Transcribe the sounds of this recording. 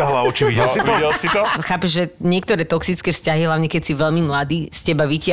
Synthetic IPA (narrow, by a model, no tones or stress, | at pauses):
aɦlaɔt͡ʃiʋiɛɔɛlsit̪ɔxaːpɛʒʒɛɲɪɛk̚t̪ɔɾɛːt̪ɔksit͡skɛːfscaɦiɦlaʊɲɛkɛcsiʋɛʎmimlad̪iːscɛbaʋicɪa